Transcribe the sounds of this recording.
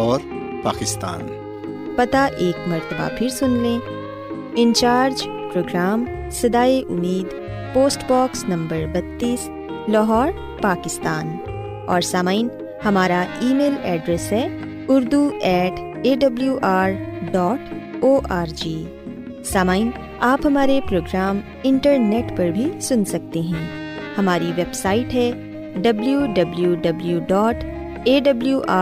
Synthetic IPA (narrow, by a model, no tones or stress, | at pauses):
ɔːɾ | pa̰ːkɪst̪a̰ːn | pɐt̪aʔeːkmɐɾt̪əba̰pʰɪɾsʊnlẽː | ɪ̃nt͡ʃaːɾd͡ʒ | pɾoːɡɾaːm | sɐd̪aːeʔʊmiːd̪ | poːsʈbɔːksnɐ̃mbəɾbɐt̪ːiːs | lɔːɦɔːɾ | paːkɪst̪aːn | ɔːɾsaːmaːin | hɐmaːɾaiːmeːlɛːɖɾɛsɦɛː | ʊɾd̪uɛːʈeːɖɐbljuʔaːɾɖɔːʈoːʔaːɾd͡ʒiː | saːmaːin | aːpɦɐmaːɾepɾoːɡɾaːm | ɪ̃ɳʈəɾneːʈpɐɾbʱisʊnsɐk̚t̪eɦɛ̃ː | hɐmaːɾiʋeːbsaːɪʈɦɛ | ɖɐbljuɖɐbljuɖɐbljuɖɔːʈ | eːɖɐbljuʔaː